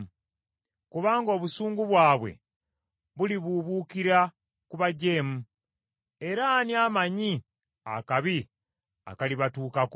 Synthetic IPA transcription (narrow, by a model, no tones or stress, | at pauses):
kuβaːŋɡo̞ːβusuːŋɡuβwaːβwe̞̰ | βuliβuβukiɾa | kuβaɟe̞ːmu | e̞ɾaːnjaːmaɲi | akaβi | a̰kaliβatuːkak